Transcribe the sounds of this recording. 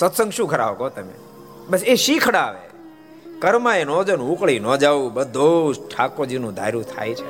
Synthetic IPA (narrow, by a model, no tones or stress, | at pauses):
sət̪sə̃ŋɡʃũkʰəɾa̰ʋokot̪əmḛ | bəseʃikʰɽaːʋḛ | kəɾmãenɔd͡ʒanũukɭinɔd͡ʒaʋũbəd̪ʱːoʈʰakod͡ʒinũd̪ʱa̰jɾũt̪ʰa̰jt͡ʃʰe